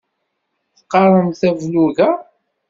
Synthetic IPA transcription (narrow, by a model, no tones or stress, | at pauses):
θəqːɑɾˤəmθævluɣæ